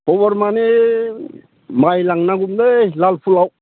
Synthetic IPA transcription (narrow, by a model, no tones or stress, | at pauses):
pɔβɔɾmane | majlaŋnaɡumdelalpʰulawk̚